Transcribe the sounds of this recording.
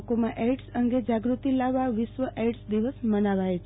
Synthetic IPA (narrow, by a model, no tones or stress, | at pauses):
komãʔeɖsəŋɡed͡ʒaɡɾut̪ilaʋːaʋɪʃʋəʔeɖsd̪iʋəsmənaʋajt͡ʃʰ